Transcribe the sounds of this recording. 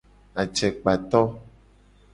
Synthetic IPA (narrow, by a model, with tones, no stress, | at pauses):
a˨t͡ʃɛ˨k͡pa˨t̪ɔ˦